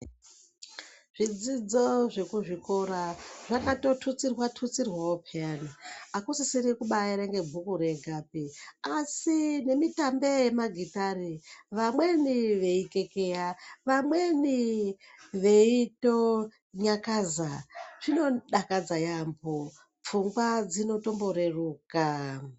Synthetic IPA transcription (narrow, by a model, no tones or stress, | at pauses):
ʐ̥id͡zid͡zo̞ʐe̞kuʐiko̞ɾaʐakato̞tʰut͡sirwatʰut͡sirwaopʰejaniakusisiɾikuɓajeɾeŋɡe̞bʱukuɾe̞ɡʱapiasine̞mitambejemaɡʱitariʋamwe̞niʋe̞ike̞kejaʋamwe̞ni | ʋe̞ito | ɲakazaʐ̥ino̞ɗakad͡zajambo | p͡fuŋɡwad͡zino̞to̞mbo̞ɾe̞ruːka